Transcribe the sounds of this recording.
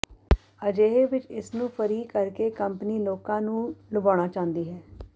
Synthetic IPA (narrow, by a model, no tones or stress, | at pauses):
əd͡ʒeːɦeːʋɪt͡ʃɪsnũːpʰəɾiːkəɾkeːkəmpniːloːkãːnũːlʊbaːɽ̃aːt͡ʃãːnd̪iːɦɛː